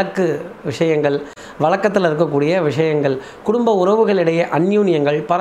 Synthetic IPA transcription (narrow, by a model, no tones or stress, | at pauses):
ɐkːɯʋɪʂɐjɐŋɡɐɭ | ʋɐɭɐkːɐt̪̬ːɪlɪɾɯk̬ːɐkːuːɽɪjɐʋɪʂɐjɐŋɡɐɭ | kʊɽʊmbɐʊɾɐʋɯɣɐɭɪɽɐjɐʔɐnjuːnɪjɐŋɡɐɭpɐɾɐ